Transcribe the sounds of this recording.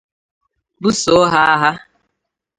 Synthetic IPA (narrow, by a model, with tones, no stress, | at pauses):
bu˦so˨˦ɦa˦a˦ɦa˦